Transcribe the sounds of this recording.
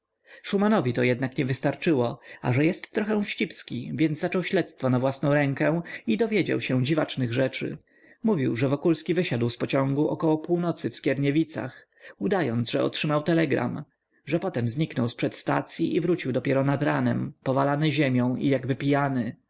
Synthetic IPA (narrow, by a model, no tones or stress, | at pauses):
ʂumanɔvʲit̪ɔjɛd̪̚nakɲɛvɘst̪aɾt͡ʂɘwɔa̰ʐɛjɛst̪ːɾɔxɛ̃w̃fɕt͡ɕipskʲivʲjɛnːat͡ʂɔwɕlɛt̪st̪fɔnavwasnɔ̃w̃ɾɛŋkɛ̃w̃id̪ɔvʲjed͡ʑa̰wɕɛ̃d͡ʑivat͡ʂnɘɣʐɛt͡ʂɘ̰ | muvʲiwʐɛvɔkulskʲivɘɕad̪wspɔt͡ɕɔ̃ŋɡuʔɔkɔwɔpuwnɔt̪sɘfskʲɛɾɲɛvʲit̪sa̰x | ud̪ajɔnd̪zʐɛɔ̰tʂɘmawt̪ɛlɛɡɾa̰m | ʐɛpɔt̪ɛmzɲiknɔwspʂɛt̪st̪at̪sʲjiʔivɾut͡ɕiwd̪ɔpʲjɛɾɔnad̪ɾanɛmpɔvalanɘʑemʲjɔ̃w̃ijaɡbɘpʲijanɘ